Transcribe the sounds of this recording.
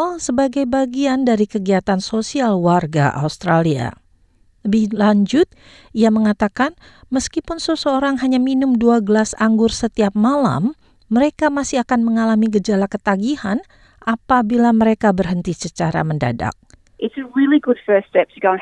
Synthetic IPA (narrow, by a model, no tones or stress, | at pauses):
lsəbaɡajbaɡiandaɾikəɡiat̪ansosialwarɡa̰ʔa̰ust̪ɾalia̰ | ləbɪhlaɲd͡ʒʊt̪̚ | iaməŋat̪akan | məskipʊnsəsəoɾaŋɦaɲaminʊmduaɡəlasaŋɡʊrsət̪iap̚mala̰mː | əɾekamasiakanməŋalamiɡəd͡ʒalakət̪aɡihan | ʔapabilaməɾekabərɦənt̪isət͡ʃaɾa̰mənda̰da̰k̚ | ʔɪtsəɹilˠiɡʊd̥fɜ˞stɛp̚əɡoʊ̃n